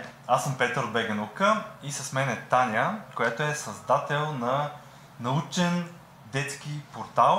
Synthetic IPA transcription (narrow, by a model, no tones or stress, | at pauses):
asːəmpɛt̪əɾod̪bɛɡɛnukəisɐsmɛnɛt̪anʲəkojat̪oɛsɐzd̪at̪ɛlˠnɐ | nɐut͡ʃɛn | d̪ɛt̪sk̟ipoɾt̪alˠ